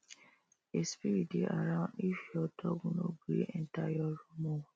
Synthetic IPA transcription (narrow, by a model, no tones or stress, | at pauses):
espiɾieʔa̰ɾãʊ̃ndifiɔtɔɡũnoɡeʔɛntajɔɾumo